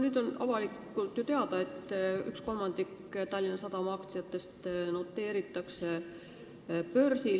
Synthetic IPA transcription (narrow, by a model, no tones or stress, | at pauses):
nyːd̪o̞nʔɑ̰vɑlikːˑult̪jot̪eɑd̪̥ɑe̞t̪ːˑy̰ksko̞lmɑnd̪ikt̪ɑlʲːinɑsɑd̪ɑmɑkt̪siɑt̪ːˑe̞st̪no̞t̪ːe̞ːɾit̪ːˑɑkse | pø̞rsi